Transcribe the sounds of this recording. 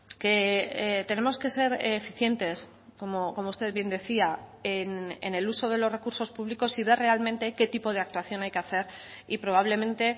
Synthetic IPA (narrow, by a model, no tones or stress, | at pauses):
ke̞t̪e̞ne̞mo̞ske̞se̞ɾfiθje̞nt̪e̞s | ko̞moko̞moust̪e̞ðβje̞nd̪e̞θiaenḛne̞luso̞ð̞e̞lo̞zre̞kuɾso̞spuβliko̞siβ̞e̞re̞almẽ̞nt̪e̞ke̞t̪ipo̞ð̞eak̚t̪waθjo̞najkeaθe̞ɾipɾo̞β̞aβle̞mẽ̞nt̪e̞